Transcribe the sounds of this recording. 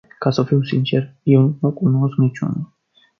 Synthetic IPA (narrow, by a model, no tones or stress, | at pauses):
kasəfiwsint͡ʃɛɾjɛwnukunosknit͡ʃṵnul